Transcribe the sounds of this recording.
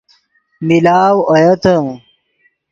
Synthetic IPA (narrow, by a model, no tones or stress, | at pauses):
milaːwɐjɐt̪ɐ̃